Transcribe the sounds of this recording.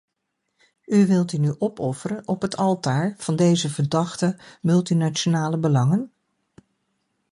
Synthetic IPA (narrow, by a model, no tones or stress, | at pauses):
yʋɪlˠtynyʔɔpɔfəɾənʔɔpɦətʰɑlˠtaːɹv̥ɑndejzəvəɹdɑχtəmɵlˠtinat͡ʃonaːləbəlɑŋən